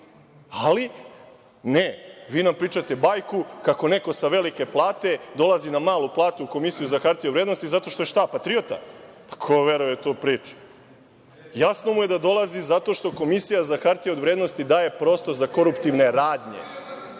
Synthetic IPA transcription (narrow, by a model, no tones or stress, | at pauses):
ali | neʋiːnampɾiːt͡ʃat̪e̞baːjkukako̞ne̞ko̞saʋe̞like̞plˠaːt̪e̞d̪o̞lˠazinamaːluplˠaːt̪uːko̞misijuzakaɾt̪ijedʋɾed̪nost̪izat̪o̞ʃt̪oeʃt̪apat̪ɾijot̪a̰ | pḁkʰoʋe̞ɾujet̪oːpɾiːt͡ʃu̥ | jasno̞muje̞d̪ad̪o̞lˠazizat̪o̞ʃt̪o̞ko̞misijazaxaɾt̪ijeod̪ʋɾed̪nost̪id̪aːje̞pɾo̞ːst̪o̞ɾzako̞ɾupt̪iʋne̞ɾaːd̪ɲe̞̰